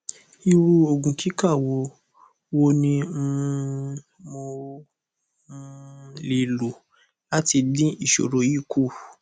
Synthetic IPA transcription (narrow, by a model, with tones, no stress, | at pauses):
i˧ɾu˧o˧ɡũ˨kʰi˦ka˦˨wo˨˧ | wo˧nĩ˧˦ | mo˧˦ | le˨lu˨ | a˦ti˧dĩ˦i˦˨ʃo̰˨ɾo˨˦ji˦˨kʰu˦˨